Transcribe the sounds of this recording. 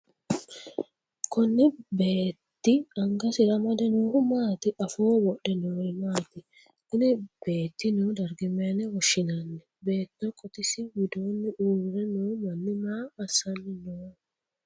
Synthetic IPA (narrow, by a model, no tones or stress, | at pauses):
kɔnːɪbe̞ːt̪ːɪɐŋɡɐsɪɾɐmɐd̪ɛnoːhʊmaːt̪ɪʔɐfoːwɔɗɛnoːɪmaːt̪ɪ | ɪnɪb̥e̞ːt̪ːɪnuːd̪ɐɾɡɪmːɛɐnɛwɔʃːɪnɐnːɛ | be̞ːt̪ːɔkʼɔt̪ɪsɪwɪd̪oːnːɪʔuːɾɛnuːmɐnːɪmaːɐsːɐnːɪnoː